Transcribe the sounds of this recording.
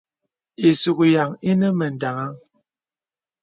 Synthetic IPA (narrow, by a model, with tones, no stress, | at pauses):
i˨su˨ku˨ja˨ŋi˦nə˦mə˨n̩˨da˨ŋa˦ŋ